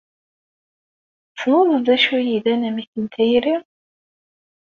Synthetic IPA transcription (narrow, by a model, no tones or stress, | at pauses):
θnoðəðæʃujiðænæmiθənt̪ʰæjɾiʁ